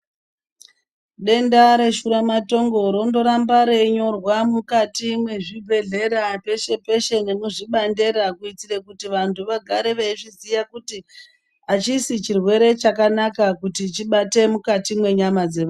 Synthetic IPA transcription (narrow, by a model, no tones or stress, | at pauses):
ɗe̞ndaɾe̞ʃuɾamato̞ŋɡo̞ɾo̞ndo̞ɾambaɾe̞ɲo̞rwamukatimwe̞ʐibʱe̞ɮe̞ɾape̞ʃe̞pe̞ʃe̞nenuʐiɓande̞ɾakuit͡siɾekutiʋantʰuʋaɡʱaɾeʋeʐizijakuti | at͡ʃisit͡ʃirwe̞ɾe̞t͡ʃakanakakutit͡ʃiɓate̞mukatimwe̞ɲamad͡zeʋa